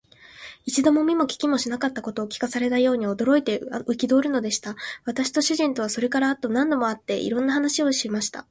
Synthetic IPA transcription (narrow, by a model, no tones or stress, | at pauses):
it͡ɕid̪o̞mo̞mʲimo̞kʲi̥kʲimo̞ɕinakat̪ːako̞t̪o̞ːkʲi̥kasaɾe̞t̪ajo̞ːɲ̟io̞d̪o̞ɾo̞it̪e̞ɯ̟kʲid̪o̞ːɾɯ̟no̞d̪e̞ɕi̥t̪aβ̞at̪aɕi̥t̪o̞ɕɨʑĩnt̪o̞β̞aso̞ɾe̞kaɾaːt̪ːo̞nãnd̪o̞mo̞at̪ːe̞̰ʔḭɾõ̞nːaɦanaɕio̞ɕimaɕi̥t̪a̰